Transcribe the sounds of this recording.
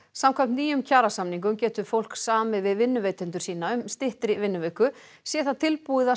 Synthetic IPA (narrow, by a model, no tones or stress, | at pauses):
samkʰam̥t̪niːjʏmcʰaːɾasamniŋkʏmcɛːt̪ʏfowl̥ksaːmɪvɪðvɪnːʏveːjt̪ʏnt̪ʏɾ̥siːnaʏmst̪ɪht̪ɾɪvɪnːʏvɛkʏ | sjɛːθat̪ʰɪlpuːðɪða